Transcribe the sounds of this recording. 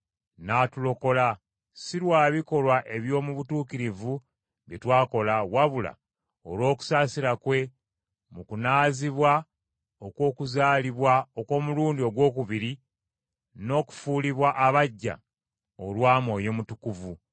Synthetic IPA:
naːtulo̞ko̞la | siɾwaːβiko̞lwaʔe̞βjo̞ːmuβutuːkiɾivu | βjetwaːko̞lawaβula̰ | o̞̰lwo̞ːku̥saːsiɾakwe̞ | mukunaːziβwa | okwo̞ːkuzaːliβwaoko̞ːmuluːndio̞ɡwo̞ːkuβiɾi | no̞ːku̥fuːliβwaʔːβaɟːa̰ | olwaːmo̞ːjoːmutukuvu

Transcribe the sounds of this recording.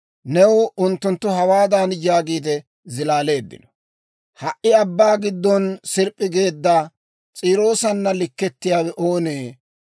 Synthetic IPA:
nɛwʊnt̪ːʊnt̪ːʊɦɐwaːd̪aːnjaːɡiːd̪ɛ | zɪlaːle̞ːd̪ːɪ̰nɔ | hɐʔɪɐbːaːɡɪd̪ːɔnsɪɾpʼːɪɡe̞ːd̪ːa | t͡sʼiːɾo̞ːsɐnːɐlɪkːɛt̪ːɪjaːwɛʔo̞ːneː

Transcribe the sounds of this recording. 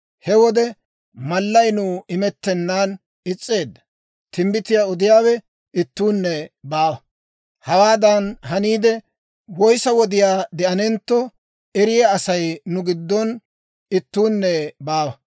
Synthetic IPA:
hɛwɔd̪ɛ | mɐlːɐjnʊɪmɛt̪ːɛnːaːn | ɪt͡sʼːe̞ːd̪ːɐ̥ | t̪ɪmbɪt̪ɪjaɔd̪ɪjaːwɛ | ɪt̪ːuːnːɛbaːwɐ | hɐwaːd̪ɐnɦɐniːd̪ɛ | wɔjsɐwɔd̪ɪjaːd̪ɛʔɐnɛnt̪ːɔ | ɛɾɪjaːsɐjnʊɡɪd̪ːɔn | ɪt̪ːuːnːɛbaːwɐ

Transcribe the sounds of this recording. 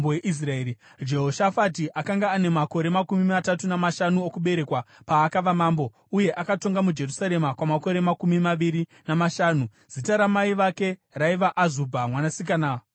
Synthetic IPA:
bojeʔis̬raeːi | d͡ʒe̞ɦoʃafat̬iʔakaŋɡaːne̞mako̞ɾe̞makumimatatunamaʃanuokuɓe̞ɾe̞kwapaːkaʋamaːmbo̞ | uje̞ʔakato̞ŋɡamud͡ʒe̞rusaɾe̞makwamako̞ɾe̞makumimaʋiɾinamaʃaːnu | z̥itaɾamaiʋake̞raiʋaʔazubʱamwanasikana

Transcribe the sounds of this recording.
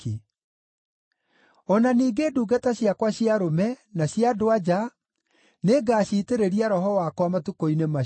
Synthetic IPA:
e | ɔnaniːɡeːduːɡataɕjakwaɕjiaɾomɛnaɕjadoad͡ʑa | neɡaːɕiːteɾeɾiaɾɔɦɔwakwamatukoinema

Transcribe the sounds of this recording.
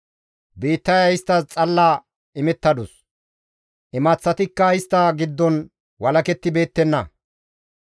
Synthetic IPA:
biːt̪ːɐjɐɪst̪ːɐt͡sʼɐlːaː | ɪmɛt̪ːɐd̪ʊs | ʔɪmɐt͡sːɐt̪ɪkːɐɪst̪ːɐɡɪd̪ːɔn | wɐlɐkɛt̪ːɪbe̞ːt̪ːɛnːɐ̰

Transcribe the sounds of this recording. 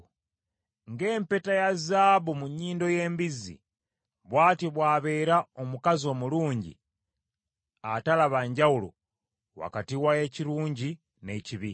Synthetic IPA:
ŋɡe̞ːmpe̞tajazaːβumuɲːiːndo̞je̞ːmbizḭ | βwaːtiβwaːβe̞ːɾaomukazio̞ːmuluːɲɟḭ | atalaβaɲɟawulo̰ | wa̰katiwaje̞ciɾuːɲɟi | ne̞ciβi

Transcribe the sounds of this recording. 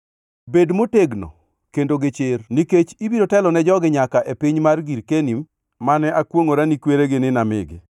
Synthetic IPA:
bedmoteɡno̰ | kendoɡɪt͡ʃɪrniket͡ʃibiɾotɛlɔnɛd͡ʒɔɡɪɲakaʔepiɲmarɡiɾkenim | manɛakwoŋoɾanikweɾeɡɪnɪnamɪ̰ɡɪ̰

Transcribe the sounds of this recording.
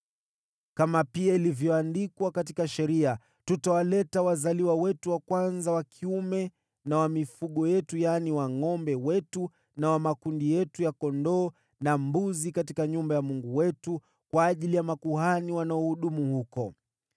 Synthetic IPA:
kamapiailivjɔandikwakat̬ikaʃɛɾia | tutawalɛtawazaliwawɛtuwakwanzawakʰiumɛ | nawamifuɠɔjɛtujaniwaŋɔmbɛwɛtu | nawamakundijɛtujakɔndɔː | nambuzikat̬ikaɲumbajamuŋɡuwɛtu | kwaːʄilijamakuhaniwanaɔhuɗumuhukɔ

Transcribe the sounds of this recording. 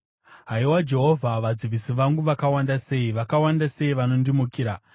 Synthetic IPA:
ɦaiwad͡ʒe̞ɦo̞vʱaʋad͡ziʋisiʋaŋɡuʋakawandase̞iʋakawandase̞iʋano̞ndimukiːɾa

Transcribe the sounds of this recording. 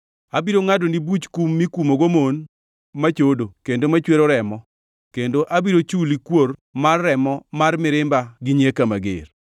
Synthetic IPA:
abiɾoŋadonibut͡ʃkumːikumoɡomon | mat͡ʃodokendomat͡ʃweɾoɾɛmɔ | kendoʔabiɾot͡ʃulikwormarːɛmɔmarmɪɾɪmbaɡɪɲekamaɡɪ̰r

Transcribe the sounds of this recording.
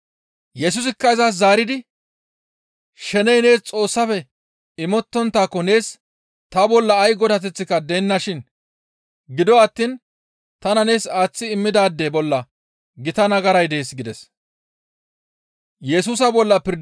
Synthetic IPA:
jɛsʊs̬ɪkːɐɪzas̬zaːɾɪd̪ɪ | ʃɛnɛjne̞ːst͡sʼo̞ːsːɐfɛ | ɪmɔt̪ːɔnt̪ːaːkːɔne̞ːs | t̪ɐbɔlːɐːjɡɔd̪ɐt̪̬ɛt͡sːɪkɐd̪ɛnːɐʃɪn | ɡɪd̪ɔɐt̪ːiːn | t̪ɐnɐne̞ːsaːt͡sːɪːmːɪd̪aːd̪ːebɔlːɐ | ɡɪt̪ɐnɐɡɐɾɐjd̪e̞ːsɡɪd̪ɛs | jɛsuːs̬ɐbɔlːɐpɪɾ

